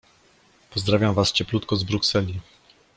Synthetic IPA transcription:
pɔzd̪ɾavʲjamvast͡ɕɛplut̪kɔzbɾuksɛlʲi

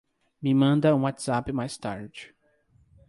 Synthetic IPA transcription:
mimɐ̃nd̪ɐũwat̪z̥apɪmajst̪a̰ɾd͡ʒɪ̥

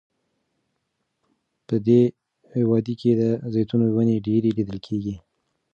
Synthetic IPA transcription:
pəd̪e | hewɑd̪ikʰed̪əzejt̪unowaneɖeɾelid̪əlkʰeɡi

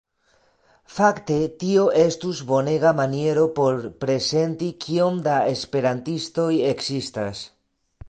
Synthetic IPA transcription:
fakt̪e̞t̪io̞ʔe̞stuzbo̞ne̞ɣamanije̞ɾo̞po̞ɾpɾe̞se̞nt̪ikʰio̞mdae̞spe̞ɾant̪isto̞je̞ksistas

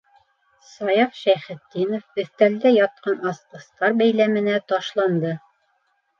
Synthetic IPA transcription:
sɑjɑfʃæχɘ̆t̪ːinofɵ̆θt̪æld̪æjɑt̪̚qɑnɑsqɤ̆st̪ɑɾbæjlæmɘ̆næt̪ɑʃlˠɑnd̪ɤ

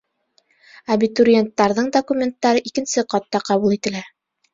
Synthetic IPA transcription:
ɐbʲit̪uɾʲɪent̪ːɑɾðɤɴd̪okumʲe̞nt̪ːɑɾɤʔikɘ̆nsɘqɑt̪ːɑqɑβulˠit̪ɘ̆læ

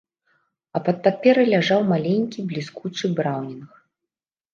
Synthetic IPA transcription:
ɐpɐt̪̚papʲɛɾɨlʲaʐawmalʲenʲkʲiblʲiskut͡ʂɨbɾawnʲinx

